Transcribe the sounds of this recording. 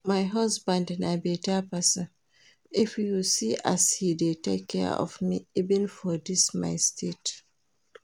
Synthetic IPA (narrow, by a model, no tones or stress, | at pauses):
majɦʌsbãndãnaɪbitɛpasə̃n | ifjuusiʔashidetekʰːɛ̰ɔ̰vmiivɛ̃nfɔdisma̰ɪstʰet